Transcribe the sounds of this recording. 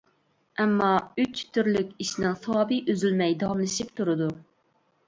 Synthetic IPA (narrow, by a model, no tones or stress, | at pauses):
ɛmːɑyt͡ʃt̪ʰːyɾlykʲiʃnɪŋsɑwɑːbɨʔøzylmɛjd̪ɑwɑmlˠɨʃip̚t̪ʰuɾɨd̪u